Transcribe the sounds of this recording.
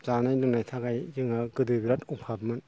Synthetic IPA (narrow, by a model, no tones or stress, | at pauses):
zanajnɯŋnajtʰaɡajjɯŋaɡɯdɯbiɾatupʰabmɯn